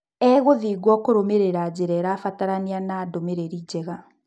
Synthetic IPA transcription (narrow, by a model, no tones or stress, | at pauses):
ɛɣoðiɡwɔkoɾomeɾeɾad͡ʑeɾɛɾaːfataɾanianaːdomeɾeɾid͡ʑɛɣa